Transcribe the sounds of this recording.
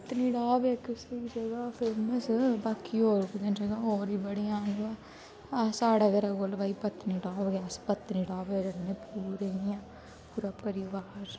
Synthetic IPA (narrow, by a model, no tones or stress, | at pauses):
ppət̪niːɖaːbaːkɪsiseɡaːpʰeːməsbaːkioːɾkd͡ʒ̪ənseɡaːoːɾiːbəɽiːãːnbaː | saːɽaːɡəɾaːkolbaːipət̪niːɖaːbɡaːspət̪niːɖaːbeːɾənnepuːɾeːiãː | puːɾaːpəɾɪʋaːɾ